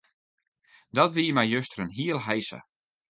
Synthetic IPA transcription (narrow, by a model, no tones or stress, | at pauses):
dɔtʋiːmɛjjøstərənɦiːəlˠɦɛjsə̰